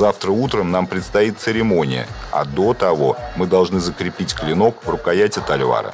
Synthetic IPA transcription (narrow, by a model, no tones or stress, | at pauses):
zaft̪ɾəut̪ɾəmnampɾʲɪt̪st̪ɐit̪̚sɨɾʲɪmo̞nʲɪ̰jə̰ | a̰d̪o̞t̪ɐvo̞mɨd̪ɐlˠʐnɨzəkɾʲɪpʲitʲklʲɪno̞kvrʊkɐjætʲɪt̪ɐlʲva̰ɾə̰